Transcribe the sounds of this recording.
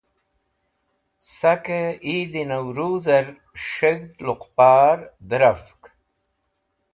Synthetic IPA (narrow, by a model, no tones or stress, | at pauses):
sakeid̪inawɾuːzaɾ | ʂeɡd̪luqpaːɾd̪əɾafk